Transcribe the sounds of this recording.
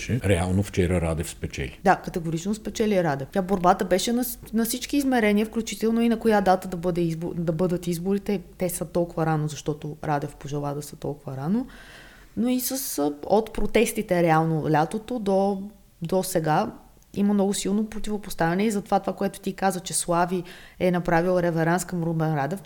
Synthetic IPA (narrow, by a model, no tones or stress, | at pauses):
ʃɛɾɛa̰lˠnoft͡ʃɛɾəɾa̰d̪ɛfspɛt͡ʃɛ̰lʲid̪akət̪ɛɡʊɾit͡ʃnospɛt͡ʃɛlʲiɛɾad̪ɛft̪ʲaboɾbat̪əbɛʃɛnɐ | nɐfsit͡ʃkiːzmɛɾɛnʲiəfklʲut͡ʃit̪ɛlˠnoinɐkojad̪at̪əd̪ɐbɤd̪ɛizbod̪ɐbɤd̪ət̪izbʊɾit̪ɛt̪ɛsət̪ɔlˠkʊvəɾanozɐʃt̪ɔt̪oɾad̪ɛfpoʒɛlˠaɛd̪ɐsə̥t̪ɔlˠkʊvɐɾano | noisəsot̪pɾot̪ɛst̪it̪ɛɾɛalˠnolʲat̪ot̪od̪o | d̪osɛɡa | ḭməmnɔɡʊsilˠnopɾot̪ʲivopost̪avʲɛnɛizɐt̪ovat̪ovakoɛt̪ʊ̥t̪ikazvət͡ʃɛslˠaviɛnɐpɾavilˠɾɛvɛɾanskəmɾobɛnɾad̪ɛf